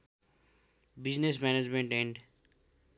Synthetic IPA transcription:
bɪd͡ʒnesmɛːned͡ʒmẽɳʈẽɳɖ

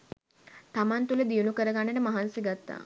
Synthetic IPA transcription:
t̪amant̪uləd̪ijunukəɾəɡanːeʈəmaɦansiɡat̪ːa̰ː

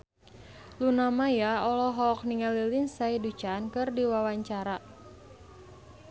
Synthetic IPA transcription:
lunamajaɔlɔɦɔːk̚niŋalilinsaidut͡ʃankɨrdiwawaɲt͡ʃaɾa

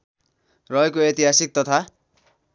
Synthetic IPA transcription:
rʌekoet̪iɦasik̚t̪ʌt̪ʰa

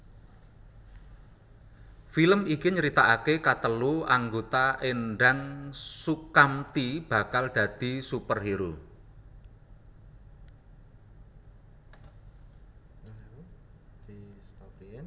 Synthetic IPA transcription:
filəmikiɲəɾit̪aʔakekat̪əluaŋɡot̪aʔenɖaŋsukamt̪ib̥a̤kald̪̥ä̤d̪̥i̤supərɦiɾu | d̥st̪

